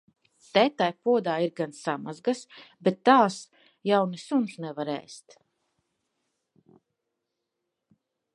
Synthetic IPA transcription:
t̪ɛːt̪ajpuɔd̪aːiɾɡansamazɡasbet̪ːaːs | jawnisunsnɛvaɾɛ̰ːst̪

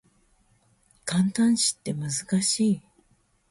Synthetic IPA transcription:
kãnt̪ãɰ̃ɕi̥t̪ːe̞mɯ̟zɨkaɕiː

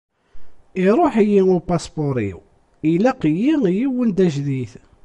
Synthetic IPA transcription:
iɾˤoħijiʊɾpɑsboɾḭw | ilæqəjijiwənd̪æʒðiθ

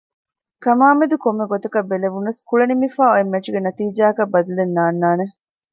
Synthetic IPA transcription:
kɐmaːmed̪ukomːeɡot̪ɐkɐbːeleʋunːɐskuɭɐnimifaːoemːɐʈuɡenɐt̪iːd͡ʒaːɐkɐbːɐd̪ulenːaːnːaːne

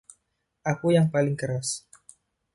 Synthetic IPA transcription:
ʔakujaŋpalɪŋkəɾas

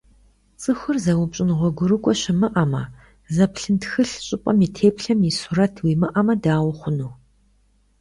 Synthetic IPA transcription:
t͡sʼɨxʷʊrzɐwʊpɕʼɪnʁʷɔɡʷʊɾɨkʷʼɔɕɪmɨʔɐmɐ | zɐpʰɬɨntxɨɬɕʼɪpʼɐmitʰeːpɬɐmisuɾɐtʰwimɨʔɐmɐdaːwʊχʷʊnuː

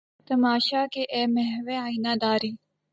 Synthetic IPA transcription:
t̪ɐmaːʃaːkeʔeːmɛɦʋeaːinaːd̪aːɾiː

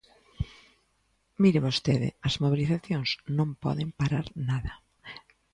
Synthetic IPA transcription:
miɾɪβost̪eðɪ̰ɐzmoβ̞iliθaθjõŋsnõmpɔ̰ðɪmpaɾaɾnaðɐ

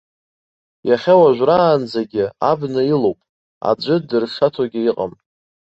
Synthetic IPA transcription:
jaχʲawaʒᶣʷraːnd͡zaɡʲɪa̰bnɨilowpʼ | a̰d͡ʒʷʼɨdɨrʂatʰaɡʲɪiqʼa̰mʼ

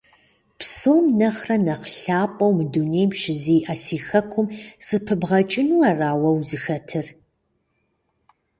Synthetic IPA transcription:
psoːmnɐχrɐnɐqɬaːpʼɐwmɨdunejmʃɪziːʔɐsiːxɐkʷʰʊmsɨpʰɨbʁɐt͡ʃʼɪnuɐraːwɐwzɨxɐtʰɨr

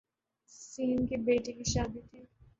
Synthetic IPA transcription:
siːnkibeːʈikiʃaːd̪it̪ʰiː

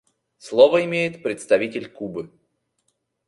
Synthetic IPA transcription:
slˠovəɪmʲejɪt̪pɾʲɪt̪st̪ɐvʲitʲɪlʲkubɨ

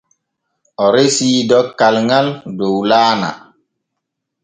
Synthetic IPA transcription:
ɔɾesiːdɔkːalŋaldowlaːna̰

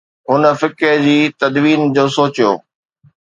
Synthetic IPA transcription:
ɦʊnə̆fɪkɪɾd͡ʑiːt̪ɐd̪ʋiːnd͡ʑoːsoːt͡ɕjo̰ː

